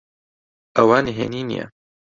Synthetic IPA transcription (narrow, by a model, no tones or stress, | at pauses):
ɐwaːniɦḛːniːnḭjɛ̰